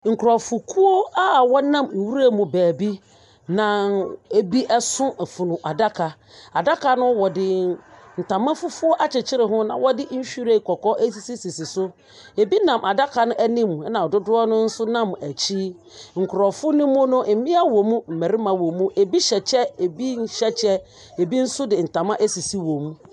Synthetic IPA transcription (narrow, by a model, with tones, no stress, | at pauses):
ŋ̩˨kʰɾɔ˨fʊ˨kʰu˦o˦a˦˨wɔ˦nã˦˨m̩˨wu˦ɾa˦mũ˨bæː˨bi˦ | nã˨e˦bi˦ʔɛ˦sʊ̃˦˨fʊ˨nʊ̃˨ʔa˨da˦kʰa˨ | a˨da˦kʰa˨nʊ̃˦wɔ˨dɪ˦n̩˨tʰã˨mã˦fʊ˦fʊ˦ɔ˦ʔa˦t͡ɕʰɪ˨t͡ɕʰɪ˦ɾɪ˨ɦʊ̃˦nã˨wɔ˦dɪ˦n̩˦ɕᶣi˦ɾe˨kʰɔ˨kʰɔ˦ʔe˦s̬i˨si˦si˨si˨sʊ˦ | e˨bi˦nã˨mʔa˨da˦kʰa˨nʊ̃˦ʔæ˦nĩ˦m˨ɛ˦nã˨ɔ˨dʊ˦dʊ˦ɔ˦nʊ̃˦n̩˦sʊ˦nã˦˨mæ˨t͡ɕʰi˦ | ŋ̩˨kʰʊ˨ɾɔ˨fʊ˦nĩ˦mʊ̃˦nʊ̃˦m̩˨mɪ̃˦a˦wɔ̃˨mũ˦m̩˨mæ˨ɾɪ˦mã˨wõ˨mũ˦ʔe˨bi˦ɕɛ˨t͡ɕʰɛ˦e˨bi˦ɕɛ˦t͡ɕʰɛ˦ | e˨bi˦n̩˦sʊ˦dɪ˨n̩˨tʰã˨mã˦ʔe˦si˨si˦wõ˨mũ˦